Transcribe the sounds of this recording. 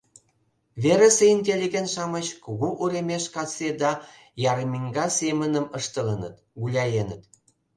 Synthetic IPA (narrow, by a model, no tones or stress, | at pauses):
βeɾə̆seinʲt̪ʲelʲiɣʲenʃɑmət͡ɕkuɣuʔuɾemeʃkɑt͡sed̪ɑ | jɑɾəmiŋɡɑsemənəməʃt̪ələnə̰t̪ | ɣulʲɑjenət̪